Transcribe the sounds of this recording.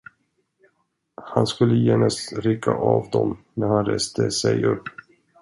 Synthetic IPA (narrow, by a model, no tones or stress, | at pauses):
hanskɵlːəjeːnast̪ɾɪkʰːaʔɑːvd̪ɔmnæɾhanɾeːst̪ʰəsɛjɵpː